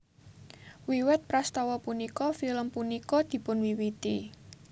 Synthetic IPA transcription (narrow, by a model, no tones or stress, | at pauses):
wiwɛt̪̚pɾast̪ɔwɔpunikɔfiləmpunikɔd̪̥i̤pʊnwiwit̪i